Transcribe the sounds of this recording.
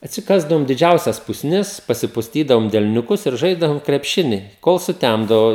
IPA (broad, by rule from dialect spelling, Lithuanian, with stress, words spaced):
ɐtʲsʲɪˈkɑːzdɐʋoːm dʲɪˈd͡ʒʲɛʊsʲɛs pʊsʲˈnʲɪs pɐsʲɪpʊsʲˈtʲiːdɐʋoːm dʲɛlʲnʲʊˈkʊs ɪr ˈʒɐɪzdɐʋoːm krʲɛpʲˈʃʲɪnʲɪ koːlˠ sʊˈtʲæmdɐʋoː